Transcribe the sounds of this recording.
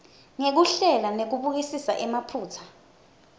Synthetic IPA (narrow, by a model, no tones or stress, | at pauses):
ŋek̬uɬɛlanek̬uɓuk̬isisa̰ʔɛmapʰuːtʰḁ